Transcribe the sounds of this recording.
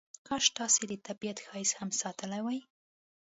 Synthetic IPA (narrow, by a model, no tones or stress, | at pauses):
kɑʃt̪ɑsed̪ət̪abijat̪xɑjɪshamsɑt̪əlajwaj